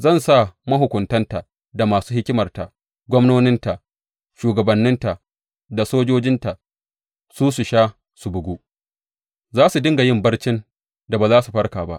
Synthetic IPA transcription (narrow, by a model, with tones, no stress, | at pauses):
zɐ˦˨nsa˦˨mɐ˦ɦʊ˨kʷʊ˨ntɐ˦nta˨ | da˨maː˨suː˦hɪ˦kʲɪ˦mɐ˨rta˨ | ɡʷɔ˦mnoː˦nɪ˦nta˨ | ʃuː˨ɡɐ˨bɐ˨nːɪ˦nta˨ | da˨soː˦d͡ʒoː˦d͡ʒɪ˦nta˨ | suː˦su˨ʃaː˦ | su˨bʊ˨ɡʷu˦ | zaː˦su˨dɪ˦ŋɡa˨jɪ˦mbɐ˦rt͡ʃɪ˦n | da˨baː˨zaː˦su˨ɸɐ˦rkaː˨ba̰˦ʔ